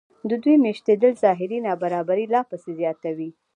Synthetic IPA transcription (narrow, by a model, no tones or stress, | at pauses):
d̪əd̪ujmeʃt̪ed̪əlzɑɦɪɾinɑbaɾɑbaɾilɑpəsezjɑt̪awi